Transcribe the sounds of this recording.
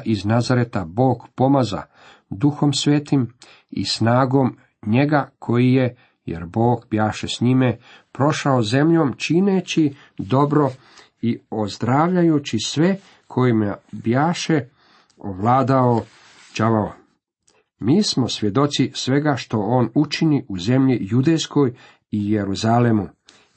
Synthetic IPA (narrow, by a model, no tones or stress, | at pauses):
ʔiznazaɾet̪abo̞ːɡpo̞maza̰ | d̪uxo̞msʋeːt̪im | ḭsnaːɡo̞m | ɲe̞ɡakʰo̞jije | jḛɾbo̞ːɡbjaːʃesɲimepɾo̞ʃaoze̞mʎo̞ːmt͡ʃinet͡ɕi | d̪o̞bɾo̞ | iozd̪ɾaːʋʎajut͡ɕisʋe | kʰo̞jimebjaːʃe | o̰ʋlaːd̪ao | d͡ʒaʋao | miːsmo̞sʋje̞d̪o̞t̪sisʋe̞ɡaʃt̪o̞oːnut͡ʃiniʔuze̞mʎijud̪ejsko̞j | ijeɾuzalemu